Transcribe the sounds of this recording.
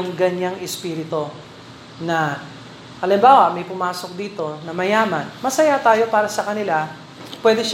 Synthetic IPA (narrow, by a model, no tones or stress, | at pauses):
ŋɡɐɲaŋɛspiːɾɪt̪o̞ | nɐ | ʔɐlɪmbaːwɐmɐjpʊmaːso̞k̚d̪iːt̪o̞nɐmɐjaːmɐnmɐsɐjat̪aːjo̞paːɾɐsɐkɐnɪla | pwɛːd̪ɛʃ